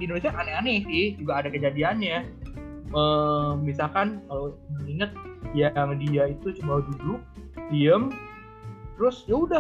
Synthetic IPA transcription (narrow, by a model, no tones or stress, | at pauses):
dindones̬iaʔaneanɪsɪhd͡ʒuɡaːdakəd͡ʒadianɲa | məmisalkankaloməŋiŋət̪̚jaŋdiait̪ut͡ʃəbadulut̪iəm | t̪əɾʊsjaudah